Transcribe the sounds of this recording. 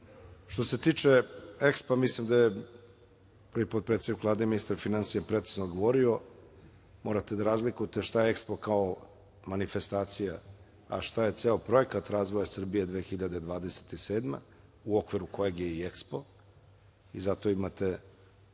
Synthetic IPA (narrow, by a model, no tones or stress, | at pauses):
ʃt̪o̞set̪iːt͡ʂe̞ekspamislimd̪aje | pɾvipot̪pɾet̪sed̪ikvlˠaːd̪eminist̪aɾfinansijapɾet̪i̥znod̪ɡoʋo̞ɾio̞ | mo̞ːɾat̪e̞d̪aɾaːzlikujt̪eʃt̪ajeekspokao | manife̞st̪aːt̪sija | a̰ʃt̪aje̞t̪seːopɾo̞je̞kat̪ɾaːzʋo̞jasr̩bije̞d̪ʋexiʎad̪ed̪ʋaːd̪e̞se̥t̪ise̞ːd̪mḛ | uokʋiɾuko̞jeɡjeiekspo̞ | izat̪o̞imat̪e̞